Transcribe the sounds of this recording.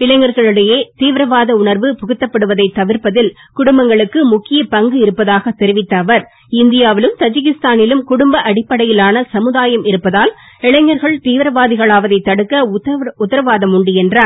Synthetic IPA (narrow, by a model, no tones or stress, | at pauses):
ɪɭɐɪŋɐɾɣɐɭɯɽɐjeːt̪iːʋɪɾɐʋaːðɐʊɳɐɾʋɯpʊɣʊt̪ːɐpːɐɽɯʋɐðɐɪt̪ːɐʋɪɾpɐðɪl | kʊɽʊmbɐŋɡɐɭɯkːɯmʊkːɪjɐpɐŋɡɯɪɾɯpːɐðaːɣɐt̪ːɛɾɪʋɪt̪ːɐːʋɐɾ | ɪnd̪ɪjaːʋɪlɯmt̪ɐd͡ʒɪɣɪst̪aːnɪlɯmkʊɽʊmbɐʔɐɽɪpːɐɽɐjɪlaːnɐsɐmɯðaːjɐmɪɾɯpːɐðaːl | ɪɭɐɪŋːɐɾɣɐɭt̪iːʋɾɐʋaːðɪɣɐɭaːʋɐðɐɪt̪ːɐɽɯkːɐʊt̪ːɐɾɐʋaːðɐmʊɳɖɪjɛndra